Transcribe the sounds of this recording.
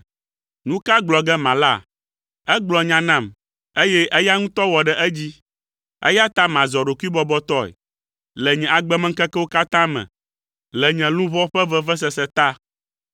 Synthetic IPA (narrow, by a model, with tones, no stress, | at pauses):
nũ˦ka˦ɡ͡blɔ˨ɡɛ˦mã˨la˦ | ɛ˦ɡ͡blɔ˨ɲã˨nã˦˨m | e˦jɛ˦ʔɛ˦ja˦ŋũ˦t̪ɔ˦wɔ˨ɖɛ˨ʔɛ˦d͡ʑi˦ | ɛ̰˦ja˦t̪a˦mã˨zɔ˨ɖo˨ku˦i˦bɔ˦bɔ˦t̪ɔ˦ɛ̰˨ | lɛ˨ɲɛ̃˨a˨ɡ͡bɛ˦mɛ̃˦ŋ̩˦kɛ˦kɛ˦wo˦ka˦t̪ã˦mɛ̰̃˨ | lɛ˨ɲɛ̃˨lũ˦vɔ˦ɸɛ˦vɛ˦vɛ˦s̬ɛ˦sɛ˨t̪a˦